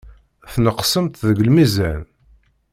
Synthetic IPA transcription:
θnəqsəmt̪ðəɡəlmizæn

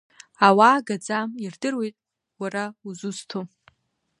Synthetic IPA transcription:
awaːɡad͡zamirdɨrwe̞jtʼ | waɾauzuztʰo

